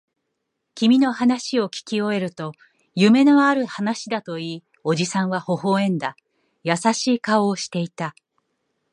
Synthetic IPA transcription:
kʲimʲino̞hanaɕio̞kʲi̥kʲio̞e̞ɾɯ̟t̪o̞ | jɯ̟me̞noaɾɯ̟hanaɕid̪at̪o̞iː | o̞ʑisãɰ̃βaho̞ho̞ːẽ̞nd̪a | jasaɕiːkao̞ːɕi̥t̪e̞it̪a

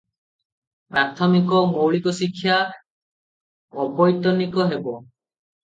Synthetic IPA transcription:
pɾat̪ʰɔmikɔmowɭikɔsikʰːja | ɔbɔjt̪ɔnikɔɦebɔ

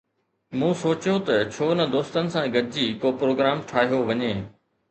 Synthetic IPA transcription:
mũːsoːt͡ɕjot̪ɐt͡ɕʰoːnɐd̪oːst̪ənɪ̆sãɡɐd̪ɪd͡ʑiːkoːpɾoːɡɾaːmʈʰaːɦijoʋɐɲeː

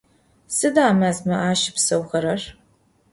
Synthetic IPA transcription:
sɨdaːmazmɐʔaːʃɪpsɐwxɐɾɐr

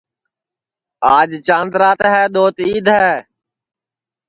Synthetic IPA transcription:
aːd͡ʒt͡ʃãːnd̪ɾaːt̪ɦɛːɗ̪oːt̪iːd̪ʱɦɛː

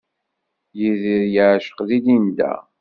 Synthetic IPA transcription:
jiðiɾjəʕʃə̥qðid̪ind̪æ̰

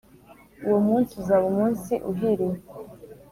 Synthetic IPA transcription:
uwomuːnsuzaβumuːnsiʔuɦiɾe

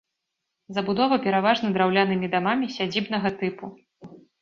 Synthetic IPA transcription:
zɐbud̪ɔvɐpʲɛɾavaʐnɐd̪ɾawlʲanɨmʲid̪amamʲisʲad͡zʲibnɐɣɐt̪ɨpu

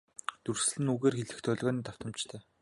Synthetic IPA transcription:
t̪urs̆ɮɘ̆nuɣeːrxeɮɘ̆xt̪ʰœɮɣɔːniːt̪ɔ̥wt̪ə̆mt͡ɕt̪ʰœː

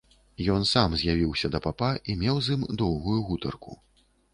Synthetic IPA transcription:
jɔnsamzʲjavʲiwsʲɐd̪ɐpapaʔimʲɛwzimd̪ɔwɣujuɣut̪ɐrkṵ

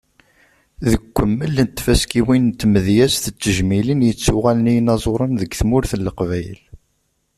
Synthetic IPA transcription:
ðəkʷːəmːəlnt̪ːfæskiwint̪ːməðjæsθət͡sːəʒmilinjət͡sːʊʁælənijnɑzˤoɾˤənðəɡθmʊɾθəlːəqvæjə̰l

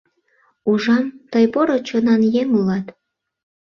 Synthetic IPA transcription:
uʒɑmt̪əjpoɾot͡ɕonɑnjeŋulɑt̪

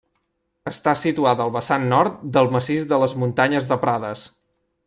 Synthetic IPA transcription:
əst̪asit̪uat̪əlˠβəsanːɔɾt̪̚d̪əlˠməsizðələzmunt̪aɲəzðəpɾaðəs

